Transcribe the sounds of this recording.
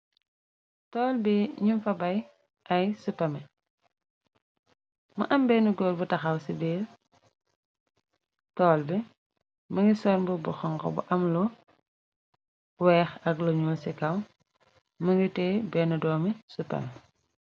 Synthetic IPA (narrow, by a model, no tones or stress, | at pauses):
tɔːlbiɲumfɐbɐj | ʔɐjsupːɐmɛ | mɐ̰ʔɐmbɛːnuɡɔlbutɐxɐwsibiːɾ | tɔːlbi | mɐŋɡisɔːɾbubɔxɔŋkɔ̰bṵʔɐmlɔ | wɛːxɐklɔɲuːlsikɐm | mɐŋɡitɛːbɛnudɔːmisupːɐ̰mɛ